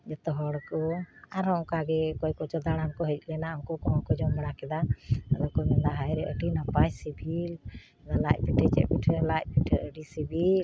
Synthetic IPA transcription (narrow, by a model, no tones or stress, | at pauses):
d͡ʒɛt̪ɔɦɔɽkɔaɾɦɔ̃kaɡɛkɔjkɔt͡ʃɔd̪aɽankɔɦɛc̚lɛnaɔwkɔkɔɔnkɔd͡ʒɔmaɽakɛd̪aəlɔkɔmɛnd̪aɦajɾɛʔəɖinapajsibʱil | d̪alac̚ˀpiʈʰɛt͡ʃɛ̰ʔpiʈʰəlac̚piʈʰəəɖisibʱil